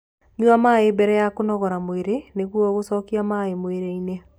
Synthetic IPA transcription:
ɲuamaebɛɾɛjakonɔɣɔɾamoeɾeneɣwɔɣosɔːkiamaemoeɾeine

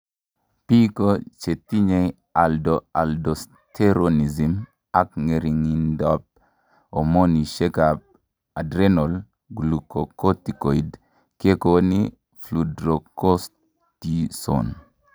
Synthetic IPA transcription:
pikot͡ʃetːiɲej | aldoaldos | tʰeɾonizim | akŋeɾiŋindɔp̚ | omoniʃekap̚ | adɾenɔl | ɡulukokotikoid | kekoni | fludɾokos | tiso̰n

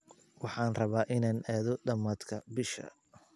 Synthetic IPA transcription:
wɑħɑːnrɐβaːʔɪnaːnʔaːðɔɖɐmaːd̪kʰɐbɪʃɐ̰

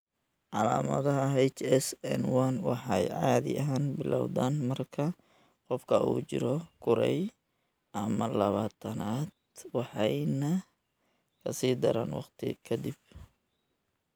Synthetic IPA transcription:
ʕɑlaːmɐ̰ðɐɦɐɦɛjt͡ʃɛsɛnwɐnwɑħɑjʕɑːðɪ̰ʔɐɦaːnbɪlʔawðaːnmɐrkʰɐ | qɔfkʰɐʔṵːt͡ʃɪ̰ɾɔkʰʊɾɛ̰j | ʔɐmɐlɐβaːt̪ʰɐnaːd̪wɑħɑjnɐ | kʰɐsiːd̪ɐɾaːnwɑ̰qt̪ʰɪ̰kʰɐd̪ɪb̚

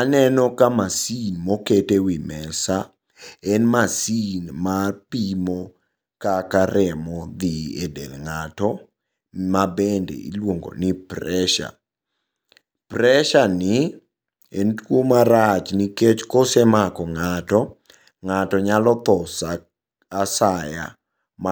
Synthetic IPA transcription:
anɛnɔkamasinmoketewimɛsa | ɛnmasinmapimo | kakaɾɛmɔd̪iedḛlŋatɔ | mabendḛḭlwoŋɡo̰nɪprɛʃa̰ | pɾɛʃanɪ | entwomaɾat͡ʃniket͡ʃkosemakɔŋatɔ | ŋatɔɲalɔt̪ɔsa | asaja̰ | m

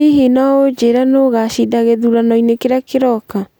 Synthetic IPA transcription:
iɦinaod͡ʒeɾanoɣaɕidaɣeðuɾanɔinekeɾakeɾɔka

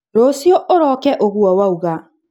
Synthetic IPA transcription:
ɾosjɔʔoɾɔkɛʔoɣwɔwauɣa

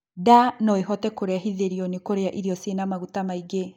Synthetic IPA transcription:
danɔeɦɔtɛkoɾeaɦiðeɾiɔnekoɾeaʔiɾiɔsenamaɣutamaiɡe

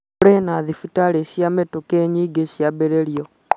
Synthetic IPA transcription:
ɾenaðifitaleɕjametukeɲiɡeɕjaβeɾeljo

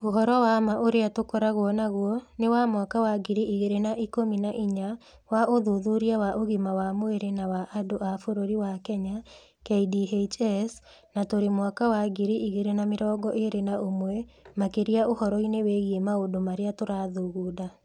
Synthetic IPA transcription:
oɦɔɾɔwamaʔoɾeatokɔɾaɣoɔnaɣwɔnewamwakawaɡiɾiʔiɣeɾenaʔikominaʔiɲa | waʔoðuðuɾiawaʔoɣimawamoeɾenawaʔadoʔafoɾoɾiwakɛɲa | keidiɦet͡ʃɛs | natoɾemwakawaɡiɾiʔiɣeɾenameɾɔːɡɔʔeɾenaomwɛmakeɾiaohɔɾɔineweɣiemaodomaɾeatoɾaːðuɣuda

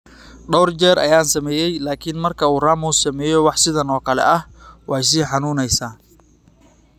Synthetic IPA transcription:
ɖɔwrd͡ʒɛːɾʔɐ̰jaːnsɐmɛːjɛjlaːkʰɪnmɐrkʰɐuːraːmuːsɐmɛːjɔwɑħsɪðɐnɔːkʰɐlɛ̰ʔɐhwɑjs̬iːħɑnuːnɛjsaː

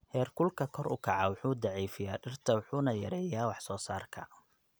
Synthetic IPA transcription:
hɛːrkʰʊlkʰɐkʰɔɾʊ̰kʰɐʕɑwʊħuːd̪ɑʕiːfɪjaːɖɪrt̪ʰɐwʊħuːnɐjɐɾɛːjaːwɑħsɔːsaːrkʰɐ

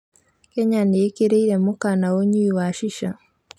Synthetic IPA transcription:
kɛɲaneekeɾeiɾɛmokanaoɲiiwaʃiʃa

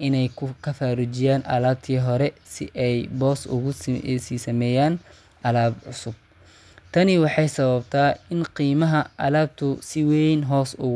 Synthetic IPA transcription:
ʔɪnɛjkʰʊkʰɐfaːɾut͡ʃɪjaːnʔɐ̰laːb̚t̪ʰiːɦɔɾɛsɪ̰ʔɛjbɔːsʊ̰ʊsiːsɐmɛːjaːn | ʔɐlaːbʕʊsʊb̚ | t̪ʰɐnɪwɑħɑjsɐβɐbt̪ʰaːɪnqiːmɐɦɐʔɐlaːb̚t̪ʰʊsɪwɛjnɦɔːsʊɣ

